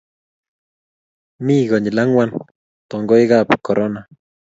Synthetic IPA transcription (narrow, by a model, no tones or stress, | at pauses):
miɣoɲilaŋwan | t̪oŋɡojɣapkoɾʔona